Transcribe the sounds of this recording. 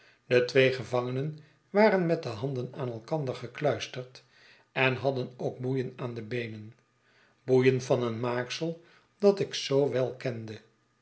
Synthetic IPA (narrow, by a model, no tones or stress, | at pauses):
dətʋejχəvɑŋənən | ʋaːɾənmɛt̚dəɦɑndənaːnɛlˠkɑndəɹχəklœɥstəɹt | ɛnɦɑdənoʊk̚bujənaːndəbejnən | bujənvɑnənmaːksəlˠ | d̥ɑtɪksowʋɛlˠkɛndə